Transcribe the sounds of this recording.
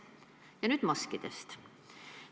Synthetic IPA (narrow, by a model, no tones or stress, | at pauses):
jɑnyd̪̥mɑskid̪̥est̪